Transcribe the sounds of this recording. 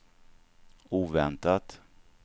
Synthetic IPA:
uːvɛnt̪at̪

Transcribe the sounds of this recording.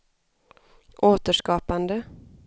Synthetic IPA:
ʔoːt̪əʂkɑːpand̪ə

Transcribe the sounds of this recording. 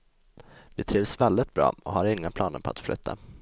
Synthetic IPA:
vɪt̪ʰɾiːvsvɛld̪ɪt̪̚bɾɑ̰ːɔhaɾɪŋːapʰlɑːnəɾpʰɔ̰a̰t̪flʏ̰t̪ʰːa̰

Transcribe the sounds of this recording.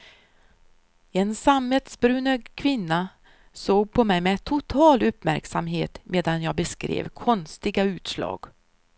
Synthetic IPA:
ɛnsamət̪sbɾʉːnəɡkʰvɪnːa | soːɡ̚pʰɔmɛjmɛt̪ʰʊt̪ʰɑːlɵpmæ̰ɾksamɦeːt̪mʔeːd̪anjɑːɡbɛskɾḛːvkʰɔnst̪ɪɡaʉ̟ːt̪slɑ̰ːɡ̥

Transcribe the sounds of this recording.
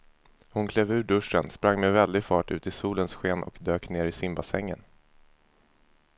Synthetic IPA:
hʊnkʰleːvʉ̟ːɖɵʂə̰nspɾaŋːmɛvɛld̪ɪɡfɑːʈʉ̟̰ːt̪ɪsuːlənsɧeːnʔɔ̰kd̪øːkneːɾɪsɪmbasɛŋːə̰n

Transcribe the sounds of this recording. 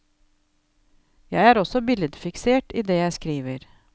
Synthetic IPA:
jæɪæːɾɔsɔbɪləd̪fɪkseːʈiːd̪eːjæɪskɾiːʋəɾ

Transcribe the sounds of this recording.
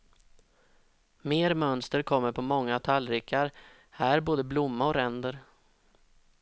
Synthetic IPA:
meːɾmœnst̪əɾkʰɔmːəɾpʰɔmɔŋːat̪ʰalːɾɪkʰːaɾ | hæːɾboːd̪əblʊmːaɔɾɛnd̪əɾ

